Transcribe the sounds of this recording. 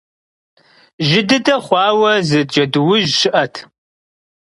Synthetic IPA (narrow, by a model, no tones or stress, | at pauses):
ʒɪdɨdɐχʷɑːwɐzɨd͡ʒɐdwʊʒʃɨʔɐtʰ